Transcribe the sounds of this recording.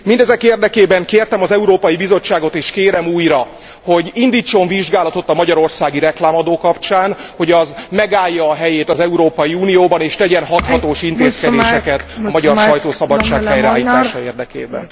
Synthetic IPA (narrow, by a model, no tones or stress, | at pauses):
mind̪ɛzɛkeːrd̪ɛkeːbɛŋkeːrt̪ɛmɒzɛuɾoːpɒjibizo̞t͡ʃːaːɡo̞t̪eːʃkeːɾɛmuːjrɒ | ho̞ɟind̪iːt͡ʃːo̞ɱviʒɡaːlɒt̪o̞t̪ːɒmɒɟɒɾo̞rsaːɡiɾɛklaːmɒd̪oːkɒpt͡ʃaːnho̞ɟɒzmɛɡaːjːɒːɦɛjeːt̪ɒzɛuɾoːpɒjiuːnijoːbɒneːʃt̪ɛɟɛnɦɒt̪hɒt̪oːʃint̪eːskɛd̪eːʃɛkɛt̪ɒmɒɟɒrʃɒjt̪oːsɒbɒt͡ʃːaːkɛjɾɛaːliːt̪aːʃɒeːrd̪ɛkḛːbɛ̰n